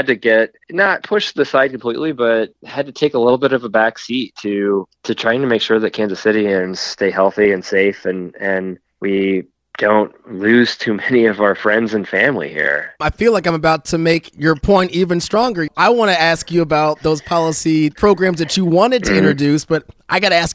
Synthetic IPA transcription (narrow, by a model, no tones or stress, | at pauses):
ɨd̚tɨɡɛt̚nət̚pʰʊʃðɨsaɪd̚kʰəm̩pʰl̥ḭʔlibʌt̚hɨd̚tɨtʰeɪkəlɪɾl̩ˠbɪɾʌvəbæksitʰɨtʰɨtʰɹ̥aɪɪ̃ŋtʰɨmeɪkʃʊɹðɨt̚kʰæ̃nzɨsɪɾiɨ̃nz̥steɪɦɛlˠθiɨ̃nseɪfɨ̃nɨ̃n | wi | d̥õʊ̃ntlʉz̥tʰʉmɛniʌvaʊə˞fɹɛ̃ndzɨ̃nfæ̃mlḭhḭɹaɪfilaɪk̬ãɪ̃məbaʊtʰɨmeɪkjə˞pʰɔ̃ɪ̃ntivɨ̃nstɹ̥ɔ̃ŋɡə˞ʔaɪwɑ̃ñɨæskjɨːbaʊt̪̚ðoʊz̥pʰɑlˠəsipʰɹ̥oʊɡɹæ̃mzðɨt͡ʃɨwɑ̃ñɨd̚tʰɨɪ̃nɹɨdʉsb̥ʌɾʔaɪɡɑɾɨæsk